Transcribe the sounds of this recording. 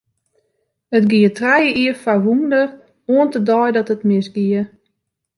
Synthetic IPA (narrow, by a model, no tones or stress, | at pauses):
ətɡiətrɛjəiəfaʋundər | oəntədɔjdɔtətmɪsɡiə